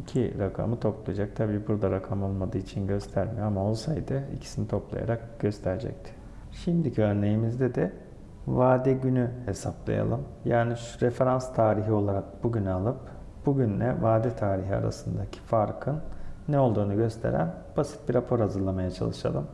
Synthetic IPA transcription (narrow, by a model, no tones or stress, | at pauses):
icʰiɾakʰa̰mɯt̪ʰo̞plˠa̰jd͡ʒak̚t̪ʰabiːbuɾd̪aɾakʰamo̞lˠmad̪ɯit͡ʃʰinɟø̞st̪ʰæɾmijoamao̞lˠsajd̪ɯḭcʰi̥sinit̪ʰo̞plˠa̰ja̰ɾak̚ɟ̥ø̞st̪ʰæɾd͡ʒɛ̰c̚t̪ʰɪ̥ | ʃimd̪icʰiø̞ɾne̞jimizd̪ed̪ɛ | vaːd̪ɛɟynyhe̞saplˠa̰ja̰lˠɯmjaːniʃɾefe̞ɾanst̪ʰaːɾiɦio̞lˠaɾak̚b̥uɟynalˠɯp̚ | b̥uɟynlɛvaːd̪ɛt̪ʰaːɾiɦia̰ɾa̰sɯnd̪acʰi̥faɾkʰɯnːɛo̞lˠd̪uːnuɟø̞st̪ʰe̞̰ɾæ̰n | b̥asi̥t̪̚biɾapʰo̞ɾhazɯɾlˠamajat͡ʃʰa̰lˠɯʃa̰lˠɯm